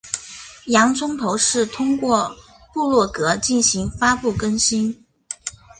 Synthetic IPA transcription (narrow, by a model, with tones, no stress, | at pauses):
jɑ˧˥ŋt͡sʰʊ˥ŋt̪ʰo˧˥ʊʂɻ̩˥˩t̪ʰʊ˥ŋkwɔ˥˧ | pu˥˧lwɔ˥˩kɤ˧˥t͡ɕi˥˩nɕi˧˥ŋfa˥pu˥˩kə˥nɕi˥n